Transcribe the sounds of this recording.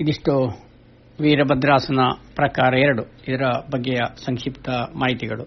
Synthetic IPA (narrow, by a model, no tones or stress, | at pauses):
id̪iʂʈu | ʋiːɾɐbɐd̪ɾaːsɐnɐpɾɐkaːɾɐɛɾɐɽuid̪ɐɾɐbɐɡːɛjɐsɐŋkʂipt̪ɐmaːɦit̪iɡɐɭu